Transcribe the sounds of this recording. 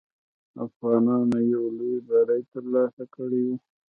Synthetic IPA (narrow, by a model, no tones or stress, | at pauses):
afɣɑnɑnajawlojbaɾajt̪əɾlɑsakəɽewi